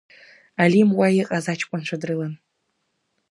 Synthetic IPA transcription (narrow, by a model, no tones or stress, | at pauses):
alimwajɛqʼazat͡ʃʰkʷʼanʈ͡ʂʷʰadrɨlɐn